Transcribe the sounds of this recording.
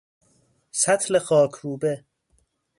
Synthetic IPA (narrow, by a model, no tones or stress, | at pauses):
sæt̪ʰlexɒːkʰuːbe